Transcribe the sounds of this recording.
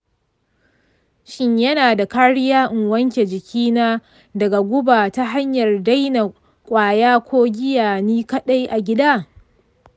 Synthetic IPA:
ʃɪ˦ɲjɐ˦naː˨da˨kaː˦ɽɪ˦jaː˦ʔɪ˨ŋwɐ˦ŋkʲe˨d͡ʒɪ˨kʲʰiː˦naː˦ | dɐ˨ɡa˨ɡʷʊ˦baː˨ta˦ɦa˦ɲjɐ˨rda˦jna˨ | kʷʼaː˨jaː˦kʷoː˦ɡʲɪ˦jaː˨niː˦kɐ˦ɗa˦jʔa˨ɡʲɪ˦daː˦

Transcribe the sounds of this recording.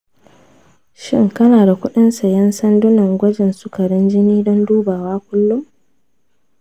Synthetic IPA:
ʃɪ˦ŋkɐ˦naː˨da˨kʷʊ˦ɗɪ˦nsa˨jɐ˦nsɐ˦ndʊ˦nɐ˨ŋɡʷɐ˦d͡ʒɪ˨nsʊ˦kɐ˨ɽɪ˦nd͡ʒɪ˦niː˦dɔ˦nduː˦baː˨waː˦kʷʊ˦lːʊ˦m

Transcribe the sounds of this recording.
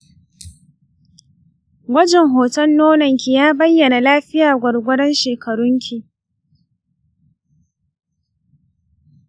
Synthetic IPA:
wɐ˦d͡ʒɛ˨ŋɦoː˨tɐ˦nːoː˦nɐ˨ŋkʰʲi˨jaː˦bɐ˦jːɐ˨na˨laː˦ɸɪ˦jaː˨ɡʷɐ˨ɽɡʷʊ˦dɐ˦nʃeː˨kɐ˨ɽʊ˦ŋkʲʰi˨

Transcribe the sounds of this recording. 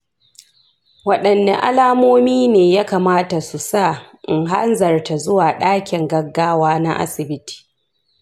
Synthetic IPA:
wɐ˦ɗɐ˨nːa˨ʔa̰˦laː˦moː˦miː˦neː˨ja˦kaː˨maː˦ta˨su˨sa˦˨ | ʔɪ˨ŋɦa˦nzɐ˨rta˨zʊ˦waː˨ɗaː˦kʲɪ˨ŋɡɐ˦ɡːaː˦waː˦na̰˦ʔa̰˦sɪ˨bɪ˦ti̥ː˨

